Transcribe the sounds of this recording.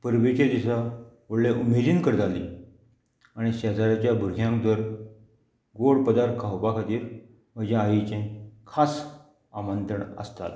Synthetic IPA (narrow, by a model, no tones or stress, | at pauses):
pəɾʋet͡ɕed̪isaʋəɽleʔumed͡ʑinkəɾd͡z̪ali | aɽ̃iɕɛd͡zaɾat͡ɕjabʱuɾɡʱjãŋk̚d̪əɾ | ɡoɽpəd̪aɾt̪kʰawpakʰat̪iːɾ | məd͡ʑãaʋit͡ɕẽkʰas | amənt̪ɾəɳə̰st̪a̰t̪